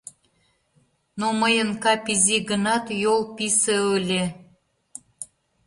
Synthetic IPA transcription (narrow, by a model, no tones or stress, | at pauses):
noməjənkɑpiziɣə̆nɑt̪jolˠpiseølʲe